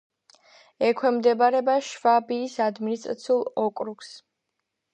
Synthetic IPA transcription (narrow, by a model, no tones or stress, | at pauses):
ɛkʰwɛmd̪ɛbaɾɛbaʃvabiːsad̪minist̪ʼɾa̰t̪sʰiulˠɔkʼɾuks